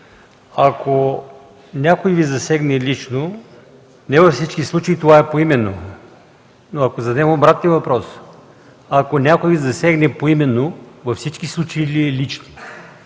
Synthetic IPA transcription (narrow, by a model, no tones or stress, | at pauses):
akʰo | nʲakojvizɐsɛɡnɛlit͡ʃno | nɛvɐfsit͡ʃkislˠut͡ʃɐit̪ovaɛpoimɛnːo | noɐkozɐd̪nɛɡobɾat̪nivɐpɾɔs | akonʲakojvizɐsɛɡnɛpoimɛnːovɐfsit͡ʃkislˠut͡ʃɐiliɛlit͡ʃno̥